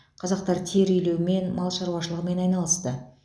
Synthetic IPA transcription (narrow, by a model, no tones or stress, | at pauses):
qʰɑzɑq̚t̪ɑɾt̪ʰe̞ɾʏjle̞wɪme̞nmʔɑlˠʃɑɾwɑʃ̬əlˠəʁəme̞nɑjnɑlˠəst̪ə